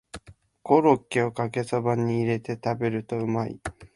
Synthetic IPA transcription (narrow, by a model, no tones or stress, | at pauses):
ɡ̥o̞ɾo̞kʲːeo̞kake̞sabaɲ̟iːɾe̞t̪e̞t̪abe̞ɾɯ̟t̪o̞ɯ̟maḭ